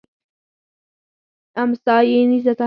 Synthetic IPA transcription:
amsɑːjenizat̪a

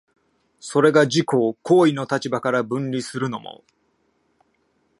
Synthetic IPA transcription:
so̞ɾe̞ɡaʑiko̞ːkʰo̞ːino̞t̪at͡ɕibakaɾabɯ̟̃ɲɾʲisɨɾɯ̟no̞mo̰

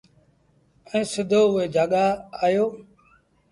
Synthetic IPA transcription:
ɛ̃ːsɪd̪ʱoːʊeːd͡ʒaːɠaːaːjoː

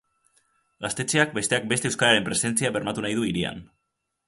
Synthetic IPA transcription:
ɡast̪e̞t͡ʃe̞ak̚be̞st̪e̞ak̚be̞st̪ewskaɾaɾe̞mpɾe̞se̞nt͡siaβe̞ɾmat̪unajðuiɾia̰n

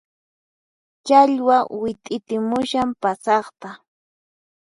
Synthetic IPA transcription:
t͡ʃaʎwawɪt̪ʼɪt̪ɪmʊʃampasɑχt̪a

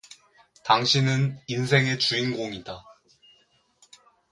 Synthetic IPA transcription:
taŋɕʰinɯninsʰe̞ŋe̞t͡ɕuinɡoŋida

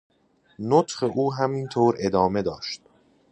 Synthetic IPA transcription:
not̪χe̞ʔuːɦæmint̪ʰoːɾe̞d̪ɒːme̞d̪ɒːʃt̪̚

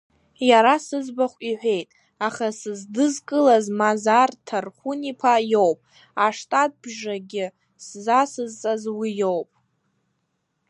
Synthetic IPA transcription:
jaɾasɨzbaχʷiħʷᶣe̞jtʼ | aχasɨzdɨzkʼɨlazmazartʰarχʷunipʰajowpʼ | aʂtʼat̚bʒaɡʲɪ | szasɨzt͡sʼazwijowpʼ

